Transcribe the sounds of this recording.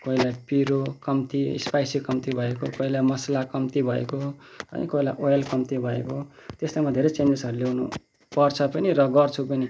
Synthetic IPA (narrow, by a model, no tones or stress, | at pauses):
koilajpiɾokʌmt̪iḭspajsikʌmt̪ibʱʌekokoilajmʌslakʌmt̪ibʱʌḛkoʌ̰nḭkoilajʔojelkʌmt̪ibʱʌḛkot̪eslamad̪ʱeɾʌt͡senesʌɾulewnṵ | pʌrt͡sʰʌpʌniɾʌɡʌrt͡sʰupʌni